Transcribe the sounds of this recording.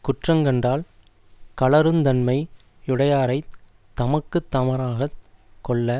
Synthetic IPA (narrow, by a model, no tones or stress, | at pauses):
kʊʈrɐŋɡɐndraːl | kɐɭɐɾɯmt̪ɐnmɐɪ | ɪɽɐjaːɾɐɪ | t̪ɐmɐkːɯt̪ːɐmɐɾaːɣɐkːɔɭːɐ